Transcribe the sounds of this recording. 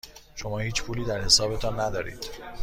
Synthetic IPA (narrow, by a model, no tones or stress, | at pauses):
ʃo̞mɒːhiːt͡ʃpʰuːliːd̪æɾhe̞sɒːbe̞t̪ʰɒːnːæd̪ɒːɾḭːd̪̥